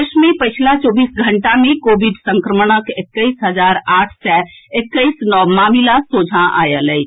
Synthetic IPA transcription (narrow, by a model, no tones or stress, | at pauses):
ʃmẽpət͡ʃʰlat͡ʃɔːbiːsɡʱə̃ɳʈamẽkoːbɪɖsə̃ŋkɾəməɽ̃əkɪkːəisɦəzaːɾaːʈʰsɛɪkːəisnɔːmaːmilasoːd͡ʒʱãʔa̰ːjələi